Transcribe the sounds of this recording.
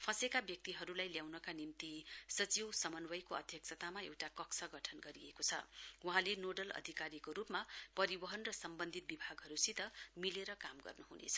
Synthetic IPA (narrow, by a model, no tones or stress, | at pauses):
pʰʌ̃sekabjʌk̚t̪iɦʌɾulajljawnʌkanimt̪isʌt͡siwsʌmʌnwʌjkoʌ̰d̪ʱjʌk̚sʰʌt̪amaḛwʈakʌksʌɡʌʈʰʌnɡʌɾiekot͡sʰʌ̰wuɦãlenoɖʌlʌ̰d̪ʱikaɾikoɾupmapʌɾibʌɦʌnrʌsʌmbʌnd̪ʱit̪̚bibʱaɡɦʌɾusit̪ʌmileɾʌkamɡʌ̰rnuɦunḛt͡sʰʌ̥